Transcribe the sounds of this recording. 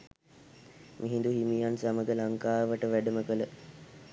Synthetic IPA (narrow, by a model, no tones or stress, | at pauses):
mʔiɦind̪uɦimijansaməɡəlaŋkaːʋəʈəʋæɖəməkələ